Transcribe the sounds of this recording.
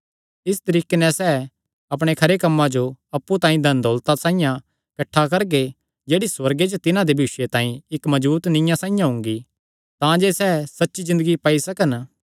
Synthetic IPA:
ɪst̪ɐɾiːkenɛ̃sɛː | ɐpɽ̃ekʰɐɾekɐmːãd͡ʒoɐpːut̪ãːĩd̪ʱɐnd̪ʱoːlt̪asãːĩjã | kɐʈʰːakɐɾɡe | d͡ʒeːɽiswɐɾɡed͡ʒot̪ɪnãd̪ebʱiːʃet̪ãːĩɪkmɐd͡ʒbuːt̪nɪ̃jãsãːĩjãɦʊ̃ŋɡi | t̪ãd͡ʒesɛːsɐtːʃizɪ̃nd̪əɡipaːisɐkən

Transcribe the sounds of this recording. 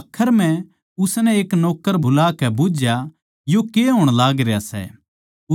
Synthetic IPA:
kʰːəɾm̤ɛ̃ | ʊsnɛeːknɔːkːəɾbʱʊlaːkɛbʊd͡ʒja | jokeɦoːɽ̃laːɡɾejasɛ̰ | ʊ

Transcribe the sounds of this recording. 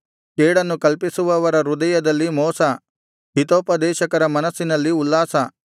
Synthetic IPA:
keːɽɐnːukɐlpisuʋɐːʋɐɾɐɾud̪ɐjɐd̪ɐlːimɔːsɐ | ɦit̪oːpɐd̪ɛːʃɐkɐɾɐmɐnɐsːinɐlːiulːaːsɐ

